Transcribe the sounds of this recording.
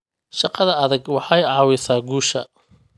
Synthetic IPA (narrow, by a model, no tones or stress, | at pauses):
ʃɑqɑðɐɐðɐɡwɑħɑjʕɑːwɪsaːɡuːʃɐ̰